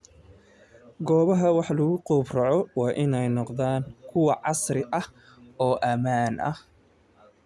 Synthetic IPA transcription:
ɡɔːβɐɦɐwɑħlɐɣʊquːbrɑʕɔwɑːʔɪnɛjnɔqðaːŋkʰʊwɑʕɑsrɪʔɐh | ɔːʔɐmaːnʔɐ̰h

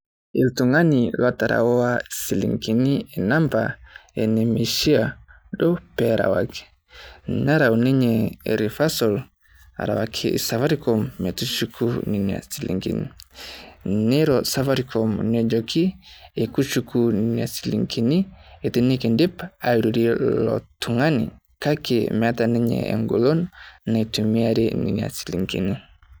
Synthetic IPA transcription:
iltuŋaniwataɾʔa̰wɔwaisilḭŋkiniɛnampa̰ɛnɛmiʃia | ɗɔpɛɾa̰waki̥ | naɾauniɲɛɾifasɔl | a̰ɾa̰wakʰiḭsafaɾikɔmːɛtut͡ʃukʰuninia̰silḭŋkḭnḭ | neɾɔsavaɾikʰɔmnɛd͡ʒɔkʰiekut͡ʃukʰuninia̰silḭŋkʰinietinikendepaiɾuɾilɔ̰tʰuŋanḭ | kakemiatanɛɲɛ̰ḛŋɡolɔnnaitumiaɾenḭnia̰si̥lḭŋkḭni

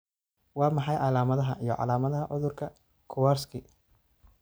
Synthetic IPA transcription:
wɑːmɑħɑjʕɑlaːmɐðɐɦɐʔijɞʕɑ̰laːmɐðɐɦɐʕʊðʊrkʰɐ | kʰʊwaːrskʰiː

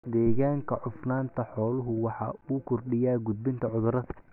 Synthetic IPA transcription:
d̪ɛːɣaːŋkʰɐʕʊfnaːnt̪ʰɐħɔːlʊɦʊwɑħɑ̰ːuːkʰʊrɖɪjaːɡʊd̪̚bɪnt̪ʰɐʕʊðʊɾɐðɐ

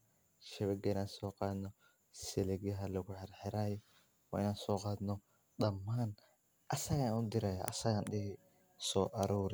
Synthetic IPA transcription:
ʃɛβɛɡɛɪnaːnsɔːqɑːd̪nɔ | sɛlɛɡɪɦɐlɐɡʊħɛɾħɛɾaːjɔ | wa̰ɪnaːnsɔːqɑːd̪nɔ | ɗɐmːaːn | ʔɐsɐɣanʊd̪ɪɾaja̰ʔɐ̰sɐɣanɗɪhɪ | sɔːʔɐɾuːɾɪ

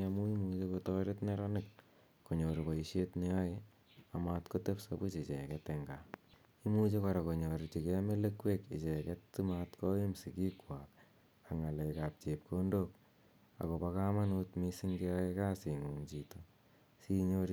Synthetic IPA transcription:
amuimut͡ʃekotɔɾetneɾanɪk | koɲoɾpaiʃetneae | amatkotepsa̰but͡ʃet͡ʃekɛteŋɡa | imut͡ʃekɔɾakoɲoɾt͡ʃikemelekwekḛt͡ʃekɛtːimatkoimsikikwak̚ | kaŋalekap̚t͡ʃep̚kʰondok̚ | a̰kopakamanutmisiŋɡiaekasiŋuŋt͡ʃito | siɲoɾ

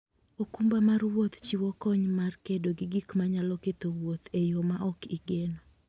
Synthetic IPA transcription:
okumbamarwot̪t͡ʃiwɔkɔɲmarkedoɡiɡikmaɲalɔket̪owwot̪ejomaʔɔkiɡeno

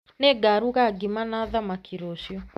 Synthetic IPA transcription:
neɡaɾuɣaɡimanaðamakʰiɾoʃjɔ

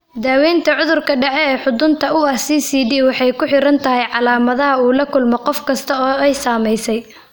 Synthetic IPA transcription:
d̪aːwɛːnt̪ʰɐʕʊðʊrkʰɐɖɛʕɛɛːħʊd̪ʊnt̪ʰɐʊɐsiːsiːdiːwɑħɑjkʰʊħɪɾɐnt̪ʰɐɦɛjʕɑlaːmɐðɐɦɐuːlɐkʰʊlmɔqɔfkʰɐst̪ʰɐɔːɛjsaːmɛjsɛj

